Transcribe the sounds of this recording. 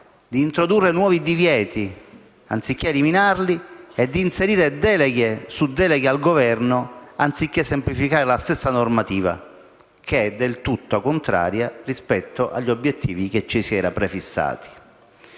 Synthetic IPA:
d̪iːnt̪ɾod̪urːenwɔːvid̪ivjɛːt̪i | ant̪sikːeːliminarlied̪ːiːnseɾiːɾed̪ɛːlɛɡesud̪ɛːleɡealɡovɛrnoant̪sikːesːemplifikaːɾelast̪esːanormat̪iːva̰ | keɛd̪ːelt̪ut̪ːokont̪ɾa̰ːɾjarispɛt̪ːoʔa̰ʎːiobːjet̪ːiːvik̟et͡ʃːisiɛːɾapɾefisːa̰ːt̪i̥

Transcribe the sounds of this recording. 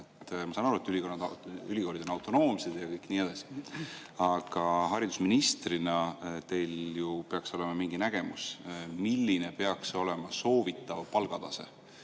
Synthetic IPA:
tt̪ːˑmɑsɑnɑɾuet̪ːˑyliko̞nːɑd̪ylʲiko̞ɾid̪onɑwt̪ːˑono̞ːmse̞d̪̥jɑkɤjkniːed̪ɑsi̥ | ɑɡ̥ɑɦɑɾid̪̥usminist̪rinɑt̪e̞jljupe̞ɑkso̞le̞mɑmiŋɡ̥inæɡ̥e̞musmilːine̞pe̞ɑkso̞le̞mɑso̞ːvit̪ːˑɑvpɑlɡ̥ɑd̪̥ɑse̞̰

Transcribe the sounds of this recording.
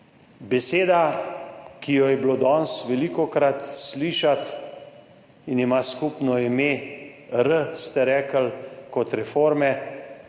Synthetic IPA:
bɛseːd̪a | kijɔjɛblod̪ɔnsʋɛlikɔkɾat̪sliːʃat̪ | inimaskupnɔime | ɾəst̪ɛɾɛːkəlkɔt̪ɾɛfoːɾmɛ

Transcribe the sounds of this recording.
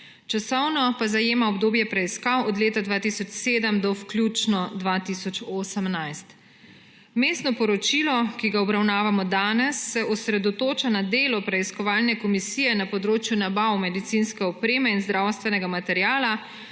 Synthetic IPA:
t͡ʃasɔwnɔpazajeːmaɔbd̪oːbjɛpɾɛiskawɔd̪leːt̪ad̪ʋaːt̪isɔt͡ʃseːd̪əmd̪ɔwklʲjuːt͡ʃnɔd̪ʋat̪iːsɔt͡ʃoːsəmnajst̪ | meːst̪nɔpɔɾɔt͡ʃiːlɔkiɡaɔbɾawnaːʋamɔd̪aːnɛsːɛʔɔsɾɛd̪ɔt̪oːt͡ʃanad̪eːlɔpɾɛiskɔʋaːlnɛkɔmisijɛnapɔd̪ɾoːt͡ʃjunabawmɛd̪it̪sinskɛɔpɾeːmɛinzd̪ɾawst̪ʋɛnɛɡamat̪ɛɾjaːla

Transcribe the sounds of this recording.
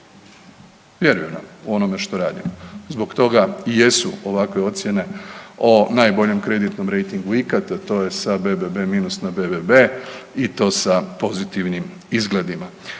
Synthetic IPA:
ʋje̞ɾujena̰muo̞no̞me̞ʃt̪o̞ɾaːd̪imozbo̞kt̪o̞ɡaije̞suoʋakʋe̞o̞t̪sje̞ne̞onajbo̞ʎe̞mkɾe̞d̪it̪no̞mɾe̞jt̪iŋɡuikat̪at̪o̞ːje̞sabebebe̞miːnusnabe̞bebe̞it̪o̞ːsapo̞zit̪iʋnim | izɡle̞d̪ima

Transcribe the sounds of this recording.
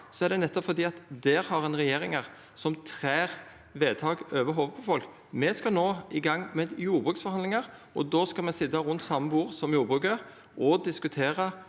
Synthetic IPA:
sɔæɾd̪ɛnɛt̪ːɔpfɔɾd̪iːɑt̪d̪ɛɾhɑʁɛnʁɛjeːɾɪŋəʁ | sɔmt̪ʰɾeːʁ | ʋeːt̪ʰɑːɡøːʋəɦoːʋəpʰɔfɔlk | mɛskɑnoːɪɡɑŋːmɛd̪juːɾbʁʉːksfɔɾhɑnlɪŋɑɾ | ʔɔ̰d̪oːskɑmɛsɪd̪ɑʁʉnt̪sɑmːəbuːɾsɔmjuːɾbʁʉːkə | ʔɔd̪ɪskʉt̪ʰeːʁə

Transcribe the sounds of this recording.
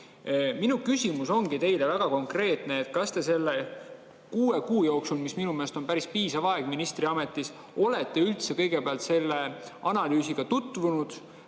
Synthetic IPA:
minukysʲimuso̞ŋɡ̥it̪e̞jle̞væɡ̥ɑko̞ŋkre̞ːt̪ˑne̞ːt̪ːkɑst̪e̞se̞lːe̞ | kuːe̞kuːjo̞ːksulmisminume̞ːst̪o̞npæɾispiːsɑvɑe̞ɡ̥minist̪riɑme̞t̪ˑːis | o̞le̞t̪ːe̞ylt̪se̞kɤ̞jɡ̥e̞peɑlt̪se̞lːe̞ɑnɑlyːsiɡ̥ɑt̪ut̪ːˑvunud̪̥

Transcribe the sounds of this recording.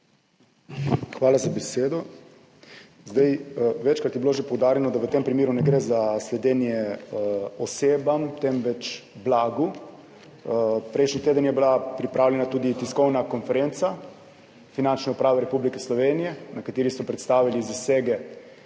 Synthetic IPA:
xʋaːlazabɛseːd̪ɔ | zd̪ajʋɛt͡ʃkɾat̪jɛbiloʒepɔwd̪aːɾjɛnɔd̪aʋət̪empɾimiːɾunɛɡɾeːzaslɛd̪ɛːnjɛ | ɔseːbamt̪ɛmʋɛt͡ʃblaːɡu | pɾɛjʃnit̪eːd̪ənjɛbilapɾipɾaːwlʲɛnat̪uːd̪it̪iskɔwnakɔnfɛɾent̪sa | finant͡ʃnɛupɾaːʋɛɾɛpublikɛslɔʋeːnijɛnakat̪iːɾisɔpɾɛt̪st̪aːʋilizaseːɡɛ

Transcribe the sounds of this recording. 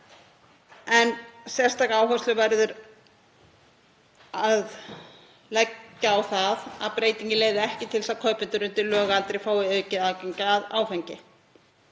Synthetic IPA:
ɛnsjɛ̥st̪aɣaːwɦast̪lʏvajɾðʏɾ | að | lɛcːaːwθaða̰ðpɾeːjt̪iɲcɪleːjðɪɛhcɪt̪ʰɪlsaðkʰœɥpʏnt̪ʏɾʏnt̪ɪlœːɣaalt̪ɾejfaːwɪœːɥcɪðaːcɛɲcaːða̰ːwfɛɲcɪ

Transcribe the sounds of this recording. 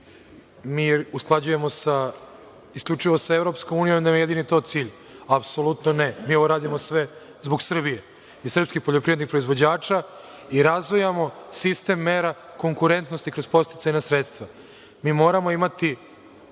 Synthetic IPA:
miːusklˠad͡ʑuje̞mo̞sa | iskʎʲut͡ʂiʋo̞saevɾo̞pskomuːnijomd̪amjejed̪init̪o̞t̪siːʎ | apsolˠut̪nonemiːo̞ʋoɾaːd̪imosʋe | zboɡsr̩bije | isr̩pskixpoʎopɾiʋed̪nixpɾo̞izʋo̞d͡ʑaːt͡ʃa | iɾazʋojamo̞sist̪e̞mːeːɾako̞ŋkuɾe̞nt̪no̞st̪ikɾo̞zpo̞st̪it̪saɲasɾet̪st̪ʋa | miːmo̞ːɾamo̞imat̪i

